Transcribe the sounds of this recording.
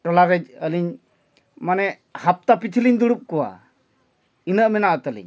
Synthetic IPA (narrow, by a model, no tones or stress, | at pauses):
ʈɔlaɾɛd͡ʒəliɲ | manɛ | hap̚t̪apit̪ʰiliɲd̪uɽup̚kɔwa̰ | inəʔmɛnaʔt̪əlḭɲ